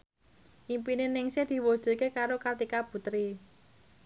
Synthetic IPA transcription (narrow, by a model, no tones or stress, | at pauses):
ʔimpinɪnɪŋsed̪̥i̤wod̥ʒ̥ə̤kekaɾokart̪ikab̥ṳt̪ɾi